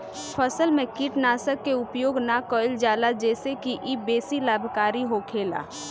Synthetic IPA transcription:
pʰəsəlmẽkɪʈnaːsəkːeʊpjoːɡnakəld͡ʒaːlad͡ʒɛːsekiʔibeːsilaːbʱkaːɾiɦokʰeːla̰ː

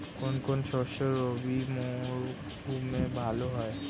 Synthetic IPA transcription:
konkonsoʃəlobimɔ̃ɾ | kumẽbʱaloɦɔe

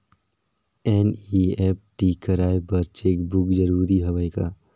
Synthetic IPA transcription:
ɛːnieːp̚ʈikəɾaːebɐɾt͡ʃeːkbʊkd͡ʒɐɾuːɾiɦɐʋəjkaː

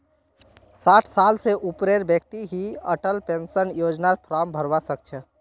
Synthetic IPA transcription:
saʈʰsalseʔupɾeɾbjək̚t̪iɦiəʈəlpensənjod͡ʒnaɾpʰɾambʱəɾʋasək̚t͡ʃʰə

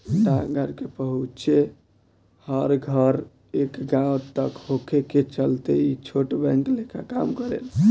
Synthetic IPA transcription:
ʈaɡʱəɾkepəɦutt͡ʃʰe | həɾɡʱəɾ | ekɡãwt̪əkhokʰeket͡ʃəlt̪eit͡ʃʰoʈbɛ̃ŋklekʰaka̰mkəɾḛl

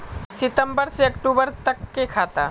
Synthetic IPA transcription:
sɪt̪əmbəɾseɐkʈubəɾt̪əkːekʰaːt̪a

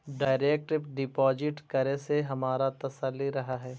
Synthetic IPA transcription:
ɖaːɪɾeːk̚ʈɪbɖɪpɔːd͡ʒɪʈkɐɾeseɦɐmaːɾat̪ɐsəlːiɾɐɦaɦɛː

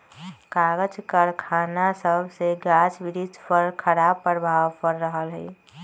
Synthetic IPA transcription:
kaɡəd͡ʒkəɾkʰaːnasəbʱseɡad͡ʒbɪɾid̪pəɾkʰəɾabpːəɾbʱaːʋpəɾːəɦəlɦɛ̰

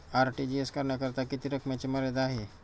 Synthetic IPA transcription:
aɾʈid͡ʑieskəɾɳjakəɾt̪akit̪iɾəkʰmjat͡ɕeməɾed̪aɦe

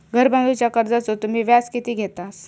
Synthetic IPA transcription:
ɡʱəɾbãnd̪ʱut͡ɕjakəɾd͡zat͡sot̪um̤iːʋjaskit̪iːɡʱet̪as

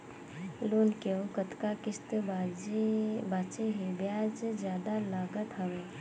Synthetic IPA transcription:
loːnkeokət̪kakɪst̪bad͡ʒebaːt͡ʃeɦebjaːsed͡ʒjaːd̪alaːɡət̪ɦəʋeː

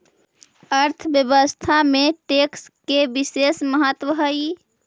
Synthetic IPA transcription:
əɾt̪ʰəbjəbəst̪ʰameʈekskebisesməɦət̪wəɦəi

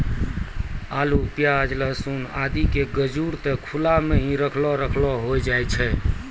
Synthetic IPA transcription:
alupjad͡ʒləsunad̪ikeɡəd͡ʒuɾt̪ɔkʰulameɦĩɾəkʰlɔɾəkʰlɔɦojd͡ʒajt͡ʃʰɛ

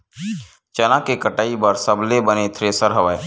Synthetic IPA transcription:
t͡ʃɐnãkekəʈaːibəɾsəblebənet̪ʰɾesəɾɦəʋaːe

